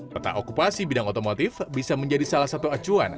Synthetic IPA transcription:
ot̪a̰ʔokupasibidaŋot̪omot̪ɪfbisaməɲd͡ʒadisalahsat̪uat͡ʃua̰n

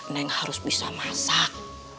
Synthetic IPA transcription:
naɪŋhaɾʊsbisamasak̚

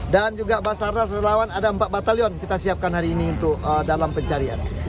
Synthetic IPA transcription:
dand͡ʒuɡabasarnasrelawanadaəmpat̪̚bat̪aliɔnkit̪asiap̚kanhaɾiːniunt̪ʊk̚ədalampəɲt͡ʃaɾia̰n

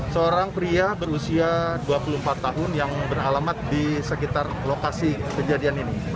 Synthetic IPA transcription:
səoɾaŋpɾiabəɾusiaduapulum̩pat̪ːaɦʊnjaŋbəralamat̪̚disəkit̪arlokasikəd͡ʒadianini

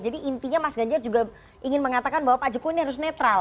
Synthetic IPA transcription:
d͡ʒadiʔint̪iɲamasɡaɲd͡ʒard͡ʒuɡa | ʔiŋɪnməŋat̪akanbawapad͡ʒukuiniɦaɾʊs̬nɛt̪ɾal

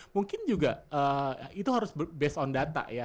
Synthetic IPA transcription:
muŋkɪnd͡ʒuɡaʔəːit̪uɦaɾʊsbbɛsɔndat̪a̰ʔja

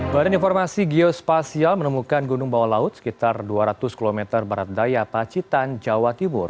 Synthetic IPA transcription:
b̥adaninfɔrmasiɡiospasialmənəmukanɡunʊŋbawalaʊt̪̚sə̥kit̪arduaɾat̪ʊskilomɛt̪ərbaɾat̪̚dajapat͡ʃit̪and͡ʒawat̪imʊr

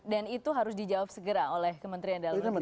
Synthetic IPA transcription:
danit̪uɦaɾʊsdid͡ʒawap̚səɡəɾaolɛhkəmənt̪ɾiandat̪aə

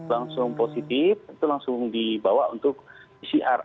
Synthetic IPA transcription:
laŋsʊŋposit̪ɪfit̪ulaŋsʊŋdibawaʔunt̪ʊk̚ | isiʔar

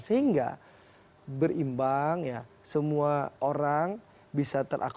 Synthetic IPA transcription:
səhiŋɡa̰ | bərimbaŋjasəmuaoɾaŋ | bisat̪ərʔa̰k

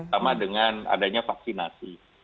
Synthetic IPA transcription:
amadəŋana̰daɲafak̚sinasi

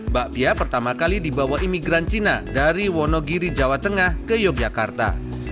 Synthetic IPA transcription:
baʔpiapərt̪amakalidibawaɦimiɡɾant͡ʃinadaɾiwɔnɔɡiɾid͡ʒawat̪əŋahkəjɔk̚d͡ʒakart̪a̰

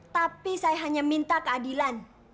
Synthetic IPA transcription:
t̪apisajaɦaɲamint̪akəadilan

